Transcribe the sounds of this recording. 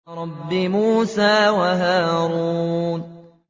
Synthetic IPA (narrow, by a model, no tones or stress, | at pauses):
ɾˤɑbːɪmuːsaːwaɦaːɾun